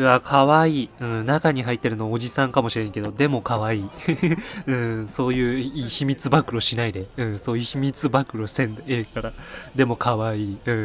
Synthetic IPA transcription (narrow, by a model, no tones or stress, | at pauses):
βakʰaβaiːɯ̟̃nakaɲ̟iɦait̪ːe̞ɾɯ̟nooʑisãŋkamoɕiɾẽŋke̞d̪o̞d̪e̞mo̞kaβaiː | ɯ̟̃so̞ːjɯ̟ːiːçimʲit͡sɨbakɯ̟ɾo̞ɕinaid̪e̞ɯ̟̃so̞ːjɯçimʲit͡sɨbakɯ̟ɾo̞sẽ̞nd̪aeːkaɾad̪e̞mo̞kaβaiːɯ̟̃ː